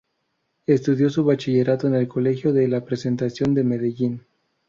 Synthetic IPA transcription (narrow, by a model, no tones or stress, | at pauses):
e̞st̪uðjo̞suβat͡ʃiʝe̞ɾat̪o̞ene̞lko̞le̞xjo̞ðelapɾe̞se̞nt̪asjo̞nd̪e̞meðeʝin